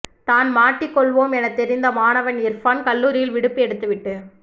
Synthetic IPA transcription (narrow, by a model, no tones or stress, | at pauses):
t̪aːnmaːʈːɪkːɔɭʋoːmɛnɐt̪ːɛɾɪnd̪ɐmaːnɐʋɐnɪɾfɐnkɐlːuːɾɪjɪlʋɪɽɯpːiɛɽɯt̪ːɯʋɪʈːɯ